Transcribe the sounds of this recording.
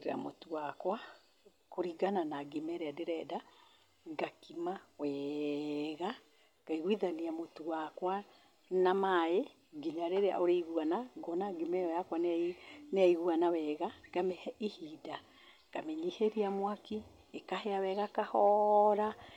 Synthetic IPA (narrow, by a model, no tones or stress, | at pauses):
eɾa̰mo̰tuwakwa | koɾiɡananaɡimɛɾeadeɾɛda | ɡakimawɛ | ɣa | ɡ̥aiɣwiðaniamotuwakwa | namae | ɡiɲaɾeɾea̰ʔoɾeiɣuanaɡɔnaɡimɛɔjakwannɛiɣuanawɛɣaɡamɛhihida | ɡ̥amɛɲiheɾiamwaki | ekaheawɛɣakahɔɾa